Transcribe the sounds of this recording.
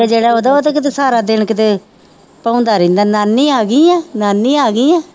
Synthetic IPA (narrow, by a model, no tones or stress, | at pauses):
ed͡ʒeːɽaːoːd̪aːoːt̪aːkɪt̪eːsaːɾaːd̪ɪnkɪt̪eː | pãːʊnd̪aːɾĩːnd̪aːnaːnːiːaːɡiːɛːnaːnːiːaːɡiːɛ̃ː